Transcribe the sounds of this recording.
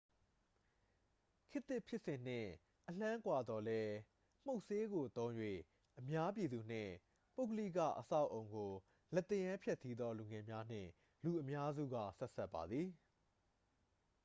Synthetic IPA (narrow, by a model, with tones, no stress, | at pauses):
kʰɪ˦t̪ːɪ˦ʔpʰjɪ˦ʔsɪ̃˨n̥ɪ̰̃˦˨ | ʔəl̥ã˦kwa˨d̪ðɔ˨lɛ˦ | m̥o˦ʊʔse˦ɡo˨t̪õ˦ʊ̃jwḛ˦˨ | ʔəmja˦p̬ji˨d̪u˨n̥ɪ̰̃˦˨ | po˦ʊkə˦lḭ˦˨kä̰˦˨ʔəsa˦˨ʊʔo˨ʊ̃ŋɡo˨ | lɛ˦˨t̪ɪ̃˦˨jã˦mpʰjɛ˦ʔsi˦d̪ɔ˦lu˨ŋɛ˨mja˦n̥ɪ̰̃˦˨ | lu˨ʔəmja˦zṵ˦˨ɡä̰˦˨sɛ˦ʔsɛ˦ʔpːa˨d̪ði˨